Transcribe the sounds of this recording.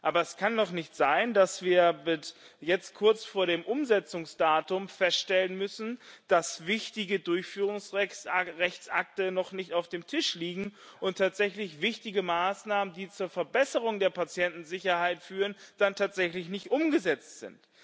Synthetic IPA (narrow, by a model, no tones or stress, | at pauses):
ʔaːbɐɛskʰanːɔχnɪçtz̥aɪndasv̥iːɐbɪsjɛt͡stkʰʊɐt͡sfoːɐɾeːmʔʊmzɛt͡sʊŋsd̥aːtʊmfɛstʃtɛlənmʏsn̩d̥asvɪçtɪɡədʊɐçfyːʁ̞ʊŋsʁɛçt͡sʔa̰k̚tənɔχnɪçtaʊfd̥eːmtʰɪʃliːɡŋ̩ʔʊntʰaːtz̥ɛçlɪçv̥ɪçtɪɡəmaːsnaːməndiːt͡suːɐfɛɐbɛsəʁʊŋdeːɐpat͡sjɛntn̩zɪçɐhaɪtfyːʁ̞ənd̥antʰaːtz̥ɛçlɪçnɪçtʔʊmɡəzɛt͡stz̥ɪ̰nt